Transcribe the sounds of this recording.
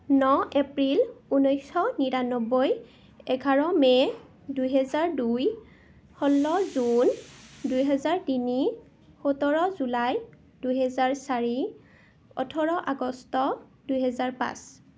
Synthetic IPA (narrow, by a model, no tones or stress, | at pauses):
nɔʔepɹilunɔjsɔniɹanɔbɔj | ɛɡʱaɹɔmɛ | dujɦɛzaɹduj | xɔlːɔzundujɦɛzaɹtini | xotɔɹɔzulaj | dujɦɛzaɹsaɹi | ɔ̰tʰɔɹɔʔaɡɔstɔdujɦɛzaɹpa̰s